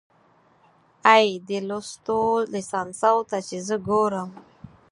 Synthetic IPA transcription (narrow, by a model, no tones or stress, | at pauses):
ajd̪elost̪olisɑnsawt̪at͡ʃezəɡoɾəm